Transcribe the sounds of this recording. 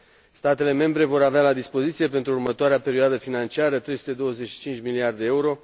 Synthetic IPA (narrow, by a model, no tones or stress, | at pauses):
st̪at̪e̞le̞me̞mbɾe̞vo̞ɾavealad̪ispo̞zit̪sije̞pe̞nt̪ɾuːurmət̪oaɾeape̞ɾioad̪əfinant͡ʃiaɾət̪ɾe̞jsu̥t̪e̞d̪o̞wəze̞ʃi̥t͡ʃint͡ʃmiliard̪eeeuɾo̞